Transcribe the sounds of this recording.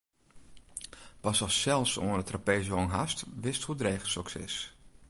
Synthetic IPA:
ʋɔsɔsɛlˠfsodətrapeːzonɦastʋɪsthudreːxəl̩ˠsøksɪ̰s

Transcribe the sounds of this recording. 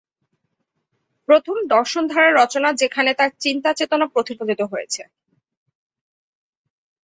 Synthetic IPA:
pɾot̪ʰomd̪ɔɾʃond̪ʱaɾeɾːɔt͡ɕonad͡ʑekʰanet̪aɾt͡ɕint̪at͡ɕet̪onapɾot̪iɾod̪it̪oɦojet͡ɕʰe

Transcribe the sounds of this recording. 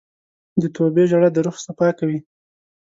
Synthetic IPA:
d̪ət̪ʰobeʒaɽad̪əɾuxsapɑkawi

